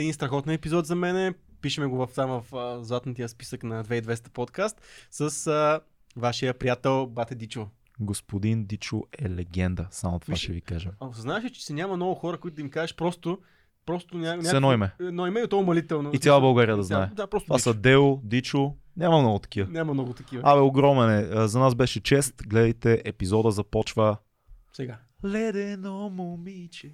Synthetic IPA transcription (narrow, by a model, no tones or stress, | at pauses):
ɛd̪inst̪ɾɐxɔt̪niɛpizɔt̪zɐmɛnɛpiʃɛmɛɡovɐft̪amvɐfəzat̪nət̪ijəspi̥səknɐd̪vɛid̪vɛst̪ə̥pot̪kast̪səsə | vaʃijəpɾijat̪ɛlˠbat̪ɛd̪it͡ʃʊ | ɡospod̪ind̪it͡ʃʊɛlɛɡɛnd̪əsamot̪ovaʃɛvikaʒɛmɐznaɛʃɛt͡ʃɛ̥sinʲamɐmnɔvʊxɔɾəkʊit̪ʊd̪ɐmikaʒɛʃpɾɔst̪ʊ | pɾɔst̪ʊnʲanʲaɛnɔimɛɛnɔimɛot̪ɔʊmɐlit̪ɛlˠnoit̪ʲalˠəbɐlˠɡaɾijəd̪ɐznaɛd̪apɾɔst̪vasɐd̪ɛʊd̪it͡ʃʊ | nʲamɐmnɔɡʊt̪ɐ̥k̟ivənʲamɐmnɔɡʊt̪ɐkivəavɛoɡɾɔmɛnɛzɐnasbɛʃɛt͡ʃɛst̪ɡlɛd̪ɐjt̪ɛʔɛpizɔd̪əzɐpɔt͡ʃvə | sɛɡa | lɛd̪ɛnomomit͡ʃɛ